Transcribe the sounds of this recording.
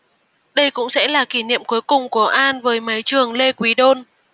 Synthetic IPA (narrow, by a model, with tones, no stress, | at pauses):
ɗə˧jkʊ̰˧˥ŋ͡msɛ̰˧˥laː˨˩ki˧˩nḭ˧˨ə˨mku˨˦jkʊ˨˩ŋ͡mku˧˩əʔaː˧nvəː˨˦jma˨˦jt͡ɕɨ˨˩əŋle˧kwi˨˦ɗo˧n